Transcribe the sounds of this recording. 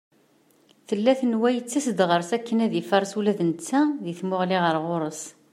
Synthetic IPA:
θəlːæθənwæjət͡sːæsəd̪ʁəɾsækːənæðifɑɾˤsulæðənət͡sːæðiθmʊʁliʁəɾʁoɾˤəs

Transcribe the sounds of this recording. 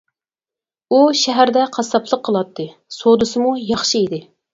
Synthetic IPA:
uʃɛɦæɾd̪ɛqʰɑsɑpʰlˠəqʰːəlˠɑt̪ʰːɨ | sod̪ɨsɨmujɑχʃiid̪ɪ

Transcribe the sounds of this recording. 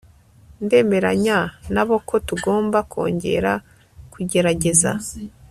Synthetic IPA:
nde̞ːme̞ɾa̰ɲanaβo̞kʰo̞tuɡo̞ːmbakʰo̞̰ːɲɟe̞̰ɾa | kuɟe̞ɾaɟe̞za̰

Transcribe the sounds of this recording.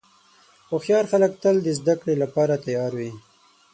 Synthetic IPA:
xoxjɑɾxalək̚t̪əld̪əzd̪akɽelapɑɾat̪ajɑɾwi

